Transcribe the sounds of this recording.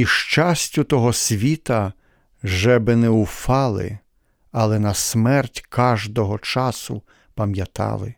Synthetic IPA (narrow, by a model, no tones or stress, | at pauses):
iʃt͡ʃɑsʲtʲʊt̪ɔɦɔsʲʋʲit̪ɐ | ʒɛbɪnɛʊfɑlˠɪ̰ | ɐlˠɛnɐsmɛrtʲkʰɑʒd̪ɔɦɔt͡ʃɑsʊ | pɐmjɐt̪ɑ̰lˠɪ̰